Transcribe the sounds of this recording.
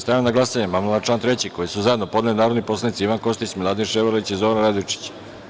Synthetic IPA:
st̪ajamnaɡlˠasaɲemamelat͡ʃant̪ɾe̞t͡ɕikojisuzaje̞d̪nopo̞d̪nelinaːɾo̞d̪nipo̞slˠanit̪siiʋanko̞st̪ismilad̪inʃeʋaɾit͡ɕizoɾnɾad̪oit͡ʃi̥t͡ɕ

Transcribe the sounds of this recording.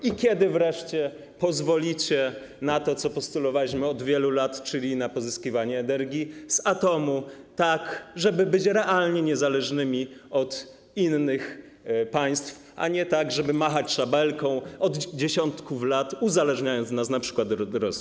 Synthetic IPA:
ikʲjɛd̪ɘvɾɛʂt͡ɕɛ | pɔzvɔlʲit͡ɕɛ | nat̪ɔt̪sɔpɔst̪ulɔvawiɕmɘɔd̪vʲjɛlulat̪t͡ʂɘlʲinapɔzɘskʲivaɲɛːnɛɾɡʲiz̥at̪ɔmut̪akʐɛbɘbɘt͡ɕɾɛʔalɲɛɲɛzalɛʐnɘmʲiɔt̪ | inːɘx | paj̃st̪f | ʔa̰ɲɛt̪aɡʐɛbɘmaxat͡ɕʂabɛlkɔ̃w̃ɔd̪d͡ʑeɕɔnt̪kuflat̪uzalɛʐɲajɔnt̪znas̬napʂɘ̥kwad̪d̪ɾɔsi

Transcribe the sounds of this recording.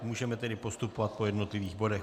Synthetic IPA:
muːʒɛmɛt̪ɛdɪpo̞st̪upovat̪̚po̞jɛdno̞t̪lɪviːɣbo̞dɛx

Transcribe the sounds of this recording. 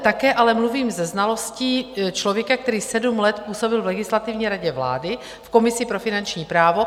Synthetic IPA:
t̪akɛːʔalɛmluviːmzɛznalo̞sciːt͡ʃlo̞vjɛkak̚t̪ɛɾiːsɛdumlɛt̪puːso̞bɪlvlɛɡɪslat̪ɪvɲiːɾaɟɛvla̰ːdɪ | fko̞mɪsɪpɾo̞fɪnant͡ʃɲiːpɾaːvo̞

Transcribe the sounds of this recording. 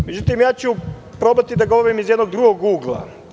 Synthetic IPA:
med͡ʑut̪imjaːt͡ɕupɾo̞bat̪id̪aɡoʋoɾimizjed̪no̞ɡ̚d̪ɾuɡoɡɡuːɡlˠa̰

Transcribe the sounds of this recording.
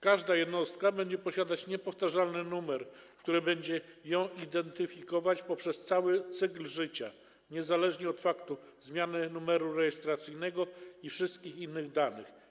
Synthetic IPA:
kaʐd̪ajɛd̪nɔst̪̚kabɛɲd͡ʑɛpɔɕad̪at͡ɕɲɛpɔft̪aʐalnɘnumɛɾkt̪uɾɘbɛɲd͡ʑɛjɔ̃w̃id̪ɛnt̪ɘfʲikɔvat͡ɕpɔpʂɛst̪sawɘt̪sɘklʐɘt͡ɕa | ɲɛzalɛʐɲɛɔt̪fakt̪uzmʲjanɘnumɛɾuɾɛjɛst̪ɾat̪sɘjnɛɡɔifʂɘst̪̚kʲixinːɘɣd̪anɘ̰x

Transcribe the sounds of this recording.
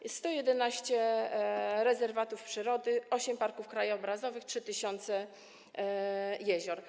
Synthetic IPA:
sst̪ɔjɛd̪ɛnaɕt͡ɕɛ | ɾɛzɛɾvat̪ufpʂɘɾɔd̪ɘʔɔɕɛmpaɾkufkɾajɔbɾazɔvɘxtʂɘt̪ɘɕɔnt̪sɛ | jɛʑɔɾ

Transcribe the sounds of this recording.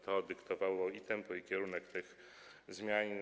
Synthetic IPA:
t̪ʰɔd̪ɘkt̪ɔvawɔit̪ɛmpɔikʲɛɾunɛkt̪ɘx | zmʲjaɲ

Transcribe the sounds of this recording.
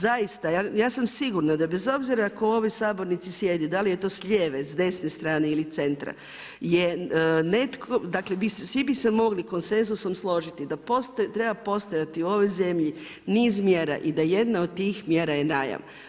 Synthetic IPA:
zajist̪ajajaːsamsiɡuɾnad̪abe̞zo̞bziɾaːko̞o̞ʋisaːbo̞ɾnit̪sisje̞d̪ud̪alijet̪o̞ːsʎeːʋe̞zd̪e̞snest̪ɾaːne̞ilit̪se̞nt̪ɾa̰ | jene̞t̪kʰod̪aklebissʋibisemo̞ɡliko̞nse̞nzuso̞mslˠo̞ʒit̪id̪apost̪ot̪ɾe̞bapo̞st̪ojat̪iuo̞ʋo̞jze̞mʎi | niːzmjeːɾa̰ʔid̪aje̞d̪naod̪̚t̪iːxmje̞ːɾajenaːja̰m

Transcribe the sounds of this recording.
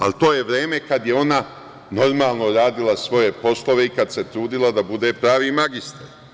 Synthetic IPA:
a̰lt̪o̞ːje̞ʋɾe̞ːme̞kad̪jeo̞na | no̞ɾmaːlˠnoɾaːd̪ilˠasʋo̞je̞po̞slˠo̞ʋe̞ikad̪se̞t̪ɾuːd̪ilˠad̪abud̪e̞ːpɾaːʋiːmaɡist̪aɾ

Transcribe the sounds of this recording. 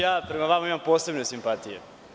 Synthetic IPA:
jaːpɾemaʋamaimampoːse̞bnesimpat̪ijḛ

